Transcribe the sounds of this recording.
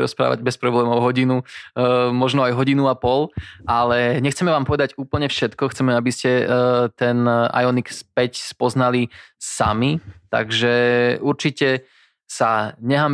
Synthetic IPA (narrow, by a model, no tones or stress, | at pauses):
ɾɔ̰spɾa̰ːʋa̰ɟbɛspɾɔblɛːmɔʊɦɔɟinu | mɔʒnɔajɦɔɟinuapɔlʔalɛɲɛxt͡sɛmɛʋaːmpɔʋɛd̪aɟuːpl̩ɲɛfʃɛt̪kɔxt͡sɛmɛabiscɛt̪ɛna̰jɔnikspɛcspɔznalisa̰mit̪a̰ɡʒɛuɾt͡ʃicɛ | saɲɛɦam